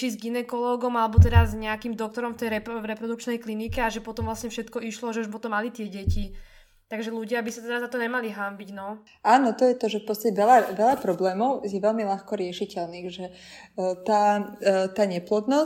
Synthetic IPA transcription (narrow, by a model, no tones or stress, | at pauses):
t͡ʃizɡinɛkɔlɔːɡɔmalɛbɔt̪ɛɾazɲɛakimd̪ɔk̚t̪ɔɾɔmft̪ɛjɾɛpvɾɛpɾɔd̪uk̚t͡ʃnɛjklinikɛaʒɛpɔt̪ɔmʋlasɲɛfʃɛt̪kɔiʃlɔʒɛuʒpɔt̪ɔmːalit̪ɪɛɟɛci | t̪aɡʒɛluɟɪabisat̪ɛd̪azat̪ɔɲɛmaliɦambiɟnɔ | aːnɔt̪ɔjɛt̪ɔʒɛfpɔtt͡sst̪acɛʋɛlaʋɛʎapɾɔblɛːmɔʊjɛʋɛlmilaxkɔɾɪɛʃicɛlniːxʒɛ | t̪aːt̪aːɲɛplɔd̪nɔ